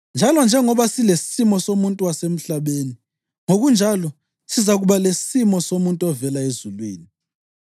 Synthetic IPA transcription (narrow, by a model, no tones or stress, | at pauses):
nd͡ʒʱalɔnd͡ʒʱɛŋɔβasilesi̥simɔsomuntʼuwasem̩ɬaɓeni | ŋoɣund͡ʒʱalɔ | sizaɣuɓalesisimɔsomuntʼɔvɛlaezulwḭːni